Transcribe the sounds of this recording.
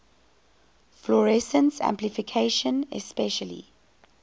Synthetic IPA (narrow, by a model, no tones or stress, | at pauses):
flɔɹɛsə̃nsæ̰̃mplifikʰeʃə̃nɛ̰spɛʃəlḭ